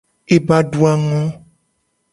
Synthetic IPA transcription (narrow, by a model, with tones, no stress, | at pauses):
e˨ba˨ɖu˨a˨ŋɔ̃˦